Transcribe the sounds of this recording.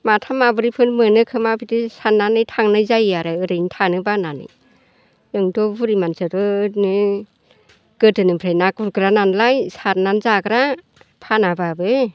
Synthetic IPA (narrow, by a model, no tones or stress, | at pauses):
matʰamabɯɾipʰɯnmɯnɯkʰɯmabʰitisanːanɯjtʰaŋnɯjzajaɾɯɯɾɯjnitʰanɯbananɯ̰j | ɯŋdɔbuɾimansɯdɯnɯ | ɡ̥ɯtɯnɯpʰɾajnaɡuɾɡɯɾananlajsat̚nanzaɡɾa | pʰanababɯ